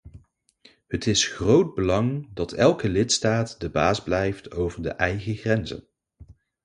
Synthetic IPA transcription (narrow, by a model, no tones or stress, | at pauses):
ɦətɪsχrowd̚bəlɑŋdɑtʰɛlˠkəlɪtstaːtdəbaːzblɛjftʰowvəɹdə̰ʔɛjχəχrɛnzə̰n